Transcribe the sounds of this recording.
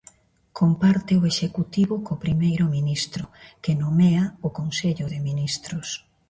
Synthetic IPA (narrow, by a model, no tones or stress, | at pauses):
kompaɾt̪ɪoeʃekut̪iβʊkopɾimejɾʊminist̪ɾʊkɪnomeaʊkonseʎʊðɪminist̪ɾʊs